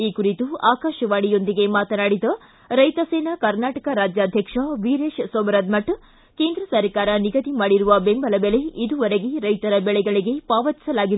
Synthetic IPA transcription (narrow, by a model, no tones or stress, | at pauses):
iːkuɾit̪uaːkaːʃɐʋaːɽijo̞nd̪iɡe̞maːt̪ɐnaːɽid̪ɐ | ɾɐjt̪ɐseːnɐkɐɾnaːʈɐkɐɾaːd͡ʒjaːd̪ʱjɐkʂɐʋiːɾeːʃsoːmɐɾɐd̪mɐʈ | ke̞ːnd̪ɾɐsɐɾkaːɾɐniɡɐd̪imaːɽiɾuʋɐbembɐlɐbɛɭe̞id̪uʋɐɾeɡeɾɐjt̪ɐɾɐbɛɭɛɡɐɭiɡe̞paːʋɐt̪i̥sɐlaːɡi